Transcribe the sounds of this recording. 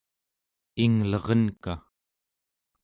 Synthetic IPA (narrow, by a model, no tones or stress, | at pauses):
iŋlʌʁʌnka